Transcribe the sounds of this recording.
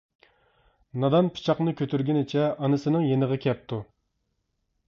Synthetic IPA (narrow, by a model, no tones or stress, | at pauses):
nɑd̪ɑnpʰɨ̥t͡ʃʰɑqnɨkʲʰøt̪ʰyɾɡʲɪnɪt͡ʃʰɛʔɑnɨsɨnɨŋjenəʁɑkʲʰɛp̚t̪ʰu